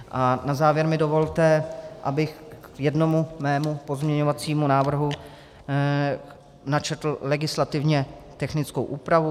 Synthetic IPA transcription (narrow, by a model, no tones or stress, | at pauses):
ʔanazaːvjɛɾmɪdo̞vo̞lt̪ɛʔabɪxjɛdno̞mumɛːmupo̞zmɲɛɲovat͡siːmunaːvr̩ɦu | nat͡ʃɛt̪l̩lɛɡɪslat̪ɪvɲɛt̪ɛxnɪt͡skowʔuːpɾavu